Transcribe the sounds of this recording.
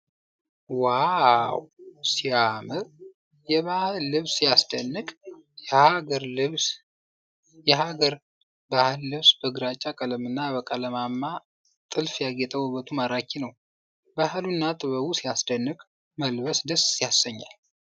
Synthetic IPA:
wawsiamɨɾ | jɛβahlːɨβsijasd̪ənːɨkʼɛhaɡəɾlɨβs | jɛhaɡəɾ | bahɨlːɨβsbəɡɾat͡ʃʼːakʼələmɨnːaβəkʼələmamːa | t̪ʼɨlfjaɡet̪ʼəwɨβət̪ʰumaɾakʰːinəw | bahɨlunːat̪ʼɨβəβusijasd̪ənːɨkʼ | məlbəsd̪əssijasːəɲːa̰l

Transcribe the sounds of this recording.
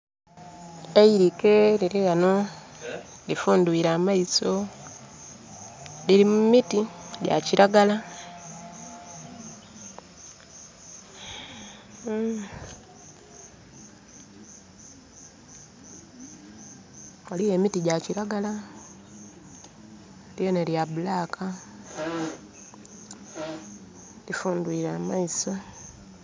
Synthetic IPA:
eiɾikeliɾiɣano | lifuːnduiɾamaiso | liɾimumitiɟa̰ciɾaɡala | olijemitiɟaciɾaɡala | ljoneljabulaːkʰa | lifuːndwiːɾamaiso

